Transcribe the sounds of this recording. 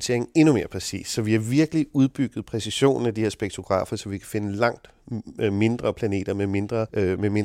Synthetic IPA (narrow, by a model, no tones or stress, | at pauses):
t͡sʰe̝ɐ̰eŋ̩e̝nume̝ːɐpʰʁɛsḭːssɒ̽ʋiæʋiɐɡ̥əliuð̞ˠb̥yɡ̥ð̞̩ˠpʰʁɛsiɕo̝̰ːnn̩æd̥iheɐ̰sb̥eɡ̥̚t͡sʰo̝ɡ̥ʁɑ̰̈ːfɐsɒ̽ʋikʰæ̥fe̝nəlɑ̈ŋ̰d̥ | me̝nd̥ʁɐpʰlæne̝̰ːd̥ɐmeme̝nd̥ʁɐmeme̝n